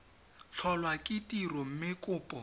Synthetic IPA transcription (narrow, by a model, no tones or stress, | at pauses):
ɬʰɔlwakʼɪtʼirɔm̩mɪkʼʊːpʼɔ